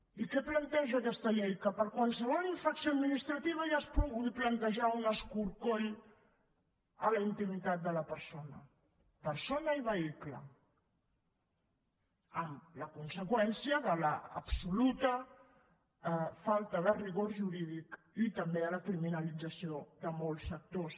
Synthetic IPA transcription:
ikɛplənt̪ɛʒakɛst̪əʎɛjkəpəɾkwalˠsəβ̞ɔliɱfɾaksjoəd̪minist̪ɾət̪iβ̞aʒaspɾuɣuiplənt̪əʒaunəskuɾkoʎ | ələint̪imit̪at̪̚d̪ələpəɾsonə̰ | pəɾsonəiβəiklə̰ | əmləkunsəkwɛnsiəðələːpsulut̪ə | falˠt̪əðəriɣoɾʒuɾiðik | it̪əmbeələkɾiminəlid͡zəsioðəmolˠsfək̚t̪os

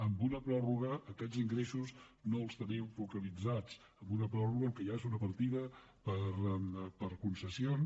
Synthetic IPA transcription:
əmbunəpɾɔruɣəːkɛd͡ziŋɡɾesuznoəlˠst̪əniwfukəlid͡zat͡s | əmbunəpɾɔruɣəlkəjaezunəpəɾt̪iðə | pəɾpəɾkunsəsion

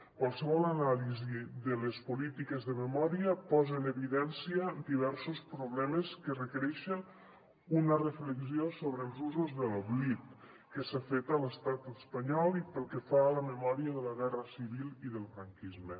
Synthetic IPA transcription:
kwalˠsəβ̞ɔlˠanaliziðəlespulit̪ikezðəməmɔɾiəpɔzeneβiðɛnsiəd̪iβ̞ɛɾsuspɾuβlɛməskərəkəɾɛʃən | unərəfləksiosoβɾəlˠzuzuzðəloβlit̪ | kəsafet̪ələst̪at̪əspəɲɔlˠipəlˠkɛfaləməmɔɾiəðələɣɛrəsiβilˠiðəlˠfɾaŋkizmə

